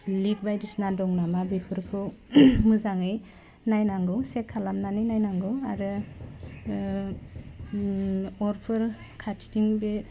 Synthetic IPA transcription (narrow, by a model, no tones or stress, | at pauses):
lik̚bajdisnadɔŋnamabipʰɯɾkʰɯwmɯzaŋɯj | najnaŋɡɯwsekʰːalamnaninajnaŋɡɯwaɾɯ | ɔɾpʰɯɾ | kʰatʰtiŋbe